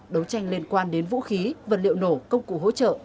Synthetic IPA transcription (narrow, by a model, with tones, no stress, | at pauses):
ɗə˨˦wt͡ɕa˧jŋli˧ənkwaː˧nɗe˨˦nvṵ˧˥xi˨˦və̰˨˩t̚lḭ˧˨əwno˧˩kə˧wŋ͡mkṵ˧˩ɦo̰˧˥t͡ɕə̰ː˧˨